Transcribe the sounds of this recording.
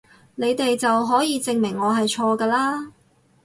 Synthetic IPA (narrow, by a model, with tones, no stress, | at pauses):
ne˨˧jt̪e˨jt͡sɐ˨wɦɔː˨˥jiː˨˧t͡sɪ˨ŋmɪ˨˩ŋːɔː˨˧ɦɐ˨jt͡ʃʰɔː˧kaː˧laː˥